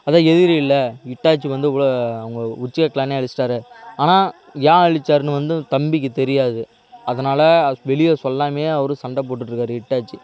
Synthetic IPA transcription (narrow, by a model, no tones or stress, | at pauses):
ɐðaːɛðɪɾɪlːɐɪʈːaːt͡ʃːiʋɐnd̪ɯʋɭoɐʋɐŋɡɐʊt͡ʃːɪkɐkːɐlaːneːɐɭɪsːɪʈaːɾɯaːnaː | jãːɐɭɪt͡ʃːaːɾɯnɯʋɐnd̪ɯt̪ɐmbɪk̬ːɯt̪ɛɾɪjaːðɯ | ɐðɐnaːlɐʋɛɭɪjɐsɔlːaːmeːɐʋɐɾɯsɐɳɖɐp̬oːʈ̬ːɯʈːɾɯkːaːɾɯɪʈːaːt͡ʃːi